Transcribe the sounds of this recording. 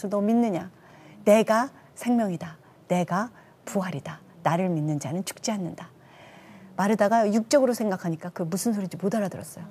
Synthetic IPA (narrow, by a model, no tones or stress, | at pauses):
sʰʌtominːɯɲa | ne̞ɡa | sʰe̞ŋmjʌŋida | ne̞ɡa | puɦaɾida | naɾɯɭminːɯnd͡ʑanɯnt͡ɕʰu̥k̚t͡ɕ͈iɦanːɯnda | maɾɯdaɡajuk̚t͡ɕ͈ʌɡɯɾosʰe̞ŋɡakʰaɲik͈akɯmusʰɯnsʰoɾid͡ʑimodaɾadɯɾʌs͈ʌjo